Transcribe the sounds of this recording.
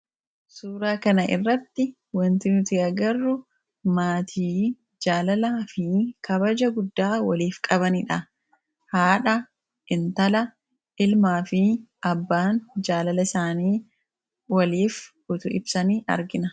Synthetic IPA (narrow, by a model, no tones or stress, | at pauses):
suːɾaːkɐnɐʔɪ̰rːɐt̪ːɪ | wɐnt̪ɪt̪ɪɐɡɐrːʊ | maːt̪ʰiː | d͡ʒaːlɐlaːfɪkʰɐbɐd͡ʒɐɡʊd̪ːaːwɐliːfkʼɐβɐnɪᶑɐ | haːᶑɐ | ʔɪnt̪ɐlɐ | ɪlmaːfɪɐbːaːnd͡ʒaːlɐlɐɪsaːniː | wɐliːf | ʊt̪ʊɪbsɐniːʔɐ̰ɾɡɪnɐ